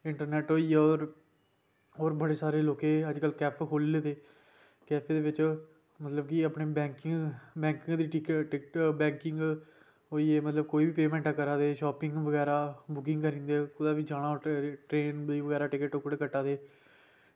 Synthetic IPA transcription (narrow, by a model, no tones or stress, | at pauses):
ɪɳʈəɾnɛːʈoːiːeoːɾ | ɦoːɾbəɽeːsaːɾeːloːkeːəd͡ʒkəlkɛːpʰkʰoːlːeːt̪eː | kɛːpʰeːd̪eːʋɪt͡ʃ | mət̪ləbkiəpneːbɛːŋkɪŋbɛ̃ːŋkɪŋɡd̪iːʈɪkʈɪkbɛ̃ːŋkɪŋɡ | oːiːeːmət̪ləb̚koːiːbiːpeːmɛ̃ːɳʈaːkəɾaːd̪eːʃɔːpɪŋɡʋəɡɛːɾaːbʊkɪ̃ŋɡkəɾĩːnd̪eːkʊd̪aːʋiːd͡ʒaːɽ̃ãːʈɾeːnd̪iːʋəɡɛːɾaːʈɪkəʈokɽeːkəʈːaːd̪eː